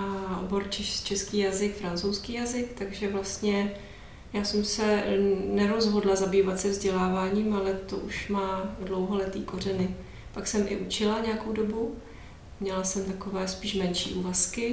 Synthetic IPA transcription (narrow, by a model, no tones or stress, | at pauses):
ʔaʔo̰bo̞ɾt͡ʃɛt͡ʃɛskiːjazɪkfɾant͡sowskiːjazɪkt̪aɡʒɛvlast̪ɲɛ | jaːsɛmsɛnɛɾo̞zɦo̞dlazabiːvat̪sɛvzɟɛlaːvaːɲiːmalɛt̪oʔuʃmaːdlowɦolɛt̪iːko̞r̝ɛnɪ | paksɛmʔɪ̰ʔut͡ʃɪlaɲɛako̞wdo̞bu | mɲɛlasɛmt̪ako̞vɛːspiːʃmɛnʃḭːʔuːvaskɪ